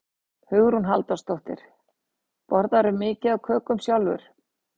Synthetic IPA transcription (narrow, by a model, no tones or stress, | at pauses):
hʏɣɾunɦalt̪ast̪owht̪ɪ̰ɾ̥ | pɔɾðaɾʏɾmɪːcɪðawkʰœːkʏmsjawlvʏ̰ɾ̥